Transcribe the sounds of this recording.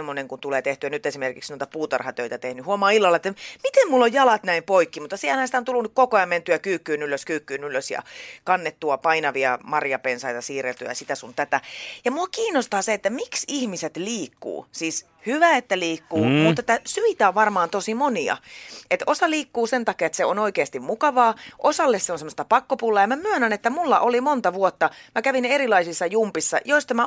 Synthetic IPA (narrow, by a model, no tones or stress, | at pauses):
mːoneŋkunt̪uleːt̪eht̪yænyt̪esimerkḭksnuoit̪ɑpuːt̪ɑrhɑt̪øit̪æt̪ehnyhuomɑːilːɑlːɑet̪ːæmit̪emmulːojjɑlɑt̪næimpoikːimut̪ːɑsihelhænsit̪æont̪ulːunykkokoɑment̪yækyːkːyːnyløskyːkːyːnyløsjɑ̰kɑnːet̪ːuɑpɑinɑʋiɑmɑrjɑpensɑit̪ɑsiːrelt̪yj̰ɑ̰sit̪æsunt̪æt̪æjɑmuɑkiːnːˑost̪ɑːseet̪ːæmiksihmiset̪liːkːṵːsiːs | hyʋæet̪ːæliːkːuːmut̪ːet̪ːæsyit̪æoʋʋɑrmɑːnt̪osimoniɑ̰et̪ʔosɑliːkːuːsent̪ɑkiɑet̪seonoikeɑst̪immukɑʋɑːʔosɑlːesseonsemːost̪ɑpɑkːopulːɑjɑmæmyønænet̪ːæmulːɑʔolimont̪ɑʋuot̪ːɑmækæʋinerilɑisisːɑjumpisːɑ̰joist̪ɑmæ